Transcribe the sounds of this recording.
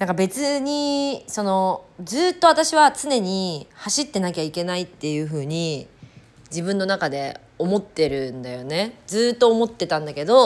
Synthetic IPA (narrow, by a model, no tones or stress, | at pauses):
nãŋkabe̞t͡sɨɲ̟iso̞no̞d͡zɨːt̪ːo̞at̪aɕiβat͡sɨne̞ɲ̟ihaɕit̪ːe̞nakʲaike̞nait̪ːe̞jɯ̟ɸɯ̟ːɲ̟i | d͡ʑibɯ̟̃nːo̞nakad̪e̞ | o̞mo̞t̪ːe̞ɾɯ̟nd̪ajo̞ne̞d͡zɨːt̪ːo̞ːmo̞t̪ːe̞t̪ãnd̪ake̞d̪o̞